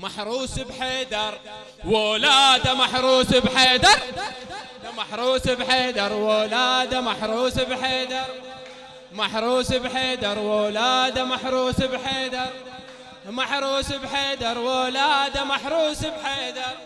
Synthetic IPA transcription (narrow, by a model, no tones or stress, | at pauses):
maħɾˤuːsbħeːd̪ɑɾˤ | woːlaːd̪amaħɾuːsɪbħeːd̪ɑɾˤ | maħɾˤuːsɪbħeːd̪ɑɾˤwoːlaːd̪amaħɾˤuːsbħeːd̪ɑɾˤ | maħɾˤuːsɪbħeːd̪ɑɾˤwolaːd̪amaħɾˤuːsɪbħeːd̪ɑɾˤ | maħɾˤuːsɪbħeːd̪ɑɾˤwoːlaːd̪amaħɾˤuːsɪbħeːd̪ɑɾˤ